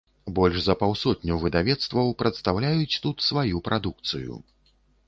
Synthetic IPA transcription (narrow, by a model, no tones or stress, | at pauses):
bɔlʲʐzɐpawsɔtʲnʲuvɨd̪avʲɛt̪st̪vɐwpɾɐt̪st̪awlʲajut͡sʲt̪ut̪svajupɾʔad̪ukt̪sɨjṵ